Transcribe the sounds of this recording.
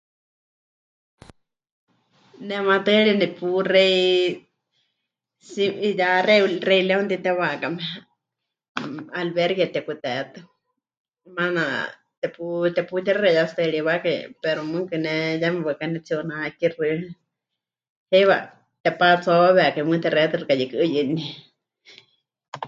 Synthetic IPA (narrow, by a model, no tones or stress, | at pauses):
nɛmãt̪ɨɺinɛpurɛi | siijarɛrɛjlɛunt̪it̪ɛβakamɛ | alβɛɾɡjat̪ɛkut̪ɛt̪ɨ | mana | t̪ɛput̪ɛput̪iɾaɾɛjast̪ɨɺiβakaḭpɛɾomɨŋkɨnɛjamɛβakanɛt͡sionakirɨ | hejβa̰ | t̪ɛpat͡sɔβɛkamɨt̪ɛɾɛt̪ɨrɨkajikɨʔɨjɨni